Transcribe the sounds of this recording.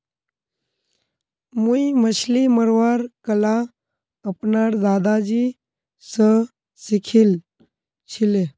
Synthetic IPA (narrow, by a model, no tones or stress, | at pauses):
mujməɕliməɾʋaɾkəla | əpnaɾd̪ad̪ad͡ʑi | sə | sikʰil | ɕile